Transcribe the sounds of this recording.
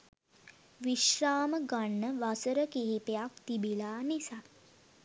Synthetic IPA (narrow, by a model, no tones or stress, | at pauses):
ʋiʃɾaːməɡaɳːəʋasəɾəkeɦip̪ejak̚t̪ibilaːnisa